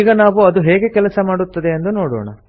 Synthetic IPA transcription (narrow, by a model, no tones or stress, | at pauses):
ɡɐnaːʋuɐd̪uɦeːɡe̞kɛlɐsɐmaːɽut̪ːɐd̪eɐnd̪uno̞ːɽo̰ːɳɐ̰